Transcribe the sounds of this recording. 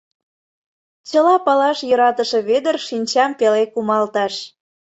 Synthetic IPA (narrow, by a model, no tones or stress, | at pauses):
t͡ɕəlɑpɑlɑʃjŏɾɑt̪əʃe̽βed̪ərʃinʲt͡ɕɑmpelekumɑlt̪ɑʃ